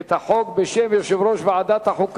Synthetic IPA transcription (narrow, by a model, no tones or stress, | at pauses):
t̪haħokbeʃemjoʃevɾoʃveʕad̪at̪haħuk